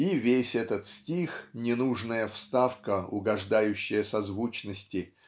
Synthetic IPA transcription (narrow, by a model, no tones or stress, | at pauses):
ivʲesʲɛt̪ət̪sʲtʲixnʲɪnuʐnəjəfst̪afkəʊ̰ɡɐʐd̪ajʉɕːɪjəsɐzvut͡ɕnəsʲtʲɪ